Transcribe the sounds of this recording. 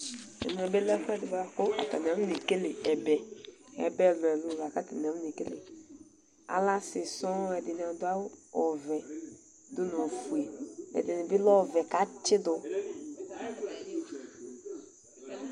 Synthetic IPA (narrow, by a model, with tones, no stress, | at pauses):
ɛ̰˨nũ˨ɛ˨be˦lɛ˦fʊ˦ɛ˦dɪ˨ba˨ko˦a˨t̪a˨n˨a˨˦nɪ˨ke˦le˨ɛ˨bɛ˨ɛ̰˨bɛ˦˨lɔ˨ɛ˨lʊ˦˨la˨ka˦ta˨n˨˦m˦nɪ˨ke˦le˨ | a̰˨˦la˦sɪ˨sɔ̃˦ɛ˨dɪ˨nɪ˨a˨dʊ˦a˦wɔ˨vɛ˨ | d̪ʊ˦no˨fu˨e˨ɛ̰˨dɪ˨nɪ̃˨bɪ˦lɔ˦˨vɛ˨ka˨˦t͡ʃɪ˦dʊ˨